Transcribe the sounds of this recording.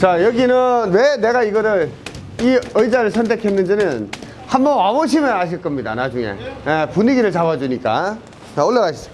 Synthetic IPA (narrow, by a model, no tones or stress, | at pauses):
t͡ɕajʌɡinɯnwene̞ɡaiɡʌɾɯɾ | iɯjd͡ʑaɾɯɭsʰʌntʰe̞kʰe̞nːɯnd͡ʑinɯn | hambʌnwaboɕʰimɯnaɕ̬ʰiɭk͈ʌmɲida̰nad͡ʑuŋe̞̰jepuniɡiɾɯɭt͡ɕabad͡ʑuɲik͈a̰ | t͡ɕaoɭːaɡaɕʰi̥s͈ʰi